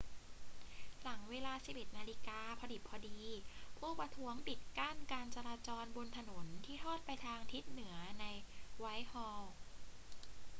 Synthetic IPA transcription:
la˩˦ŋweː˧laː˧si˨˩pʔe˨˩t̪̚maː˧liː˦˥kaː˧pʰɔ˧di˨˩pʰːɔː˧diː˧pʰuː˥˩pɾa˧t̪ʰu˦˥əŋpi˨˩t̪̚kaː˥˩nkaː˧nt͡ɕa˧ɾaː˧t͡ɕɔː˧nbo˧nt̪ʰa˧no˩˦nt̪ʰiː˥˩t̪ʰɔː˥˩t̪̚pa˧jt̪ʰaː˧ŋt̪ʰi˦˥t̪̚nɯ˩˦ɐna˧jwa˦˥jhɔː˧

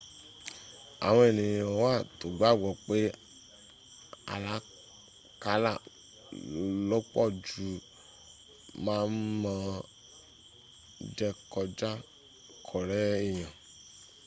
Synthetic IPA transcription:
a̰˨w̃ɔ̃˧e˨nĩ˨o˧wa˦˨to˨ɡ͡ba˨˦˨ɡɔ˨k͡pe˦ | a̰˧la˦ | ka˧˦la˦˨ | lɔ˦k͡pɔ̰˦˨d͡ʒu˨˦ | mãː˦n̩˦mã˧ | d͡ʒɛ˧kɔ˧d͡ʒa˦ | kʰɔ˨ɾɛ˦i˦˨j̃ã˨

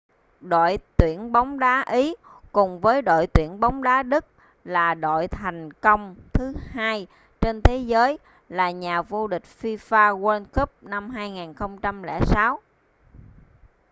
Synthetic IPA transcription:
ɗo̰˧˨jt̪wi˧˩˨ənɓa˨˦wŋ͡mɗaː˨˦ʔi˨˦kʊ˨˩ŋ͡mvəː˨˦jɗo̰˧˨jt̪wi˧˩ənɓa˨˦wŋ͡mɗaː˨˦ɗɨ˦˥k̚ | laː˨˩ɗo̰˧˨jt̪ʰa˨˩jŋ̟kə˧wŋ͡mt̪ʰɨ˨˦haː˧j | t͡ɕe˧nt̪ʰe˨˦zəː˨˦j | laː˨˩ɲaː˨˩vo˧ɗï˨˩k̟̚fi˧faː˧ɣwə˧nkə˦˥p̚na˧mɦaː˧jŋaː˨˩nxə˧wŋ͡mt͡ɕa˧mlɛ̰˧˩saː˨˦w

